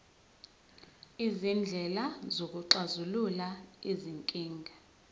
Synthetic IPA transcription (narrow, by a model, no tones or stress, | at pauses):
izind͡ɮʱɛlazok̬ʼuǁazululaiziŋkʼiːŋɡʱa